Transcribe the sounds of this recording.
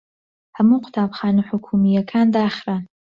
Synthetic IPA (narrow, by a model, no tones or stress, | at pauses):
hɐmuqʰʊ̥t̪ʰaːbxaːnuħʊkʰumijɐkʰaːnd̪aːχɾan